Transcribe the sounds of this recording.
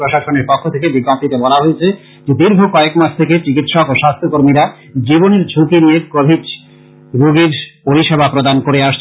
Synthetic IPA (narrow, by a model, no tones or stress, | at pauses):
ɾoʃaʃoneɾpɔkʰːot̪ʰekebiɡːamt̪it̪ebɔlaɦoet͡ɕʰe | d͡ʑed̪iɾbʱokɔekmaʃt̪ʰeket͡ɕikit̪ʃɔkoʃast̪ʰokoɾmiɾa | d͡ʑiboneɾd͡ʑʱukinijekobʱid͡ʒ | ɾoɡiɾpoɾiʃebʱapɾod̪ankoɾeaʃt͡ɕʰ